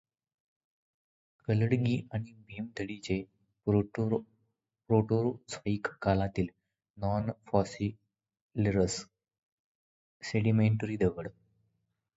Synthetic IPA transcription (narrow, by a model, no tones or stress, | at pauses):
kələɽɡiːʔaɽ̃ibʱemd̪ʱəɽit͡ɕe | pɾoʈoɾot͡sfəikːalat̪iːl | nɔnfɔsi | lɾəs | seɽimeɳʈɾiːd̪əʋəɽ